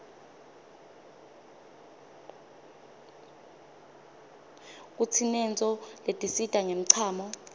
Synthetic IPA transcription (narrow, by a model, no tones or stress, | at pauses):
k̬ʼut͡sʰinɛnt͡sʼɔletʼisitʼaŋem̩ǀʰaːmɔ